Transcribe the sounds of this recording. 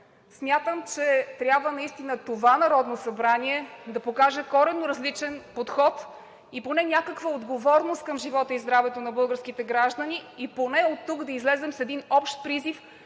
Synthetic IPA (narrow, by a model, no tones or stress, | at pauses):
smʲjat̪əmt͡ʃɛt̪ɾʲjabvənɐist̪inət̪ovanɐɾɔd̪nosɐbɾaniɛd̪ɐpokaʒɛkɔɾɛnːoɾɐzlit͡ʃɛnpot̪xɔt̪ | iponɛnʲakəkvəod̪ɡovɔɾnost̪kəmʒivɔt̪əizd̪ɾavɛt̪onɐbɤlˠɡəɾskit̪ɛɡɾaʒd̪əniiponɛot̪ːuɡd̪ɐizlɛzɛmsɛd̪inɔpʃt̪̚pɾizif